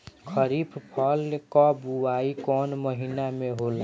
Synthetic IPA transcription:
kʰəɾipʰpʰəlkɔbuaikɔːnməɦinameɦola

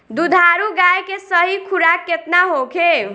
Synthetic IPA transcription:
d̪ud̪ʱaɾuɡajkesəɦikʰuɾakːet̪naɦokʰe

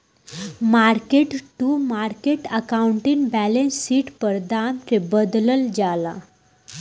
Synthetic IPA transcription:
maɾkeʈʈumaɾkeʈəkauɳʈinbælensːiːʈpəɾd̪ant̪ebəd̪ləld͡ʑala̰

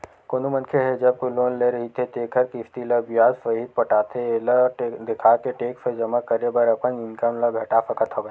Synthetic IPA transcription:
koːnumɐnkʰeɦɛd͡ʒɐb̚koloːnleɾɐɦit̪ʰet̪eːkʰɐɾkɪft̪ilɐbijaːzfɐɦid̪̚pɐʈaːt̪ʰeləd̪ɪkʰaːkeʈeːksed͡ʒɐmakɐɾebɐɾɐpənɪ̃nkəmləɡʱɐʈafɐkət̪ʰoʋə

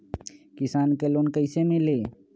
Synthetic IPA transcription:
kɪsaːnkeloːnkəɪsemẽleː

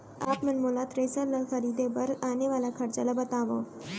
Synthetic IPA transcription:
a̰ːpmənmolat̪ɾejsəɾləxəɾiːd̪ebəɾɡaːneʋaːlakʰɐɾt͡ɕalabət̪aːʋə̰

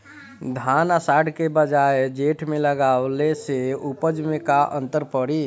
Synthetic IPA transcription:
d̪ʱanasaɖkebəd͡ʒaed͡ʒeʈʰmeləɡawleseupəd͡ʒmekaʔə̰̃nt̪əɾpəɽi

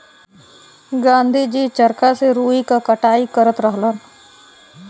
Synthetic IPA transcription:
ɡãːnd̪ʱid͡ʒiːt͡ʃəɾkaseɾuːikakəʈaːikəɾət̪ɾəɦlən

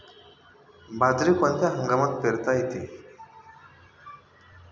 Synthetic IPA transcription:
bad͡zɾikɔnt̪aɦəŋɡamət̪̚peɾt̪ajit̪i

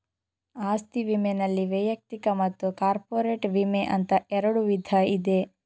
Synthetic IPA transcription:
aːst̪iʋimenɐlːiʋɐjɐk̚t̪ikɐmɐt̪ːukaːɾpoːɾeːʈʋimeʔɐnt̪ɐɛɾɐɽuʋid̪ʱɐid̪e

